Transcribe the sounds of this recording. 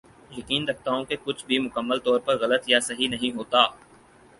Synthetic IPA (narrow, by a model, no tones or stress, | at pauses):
jɐkiːnɾɐk̚ʰt̪aɦũkekʊt͡ʃʰbʱimʊkəmːəlt̪ɔːɾpɐɾɣɐlət̪jasɐɦinɐɦĩɦoːt̪aː